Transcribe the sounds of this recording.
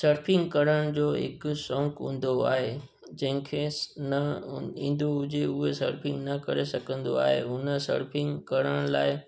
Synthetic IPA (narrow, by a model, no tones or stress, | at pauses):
sɐɾpɪ̃ŋɡkɐɾəɽ̃d͡ʑoːɦɪ̰ksɔ̃ːŋkɦʊ̃ːn̆d̪oa̰ːɦe | d͡ʑɐ̃ɦɪ̃kʰenɐĩːn̆d̪oʊd͡ʑeʊɦesɐ̰ɾpʰɪ̃ŋɡnɐkɐɾesɐkʰə̃nd̪o̰a̰ːɦḛʊnəsɐ̰ɾpʰɪ̃ŋɡkɐɾəɽ̃laːɪ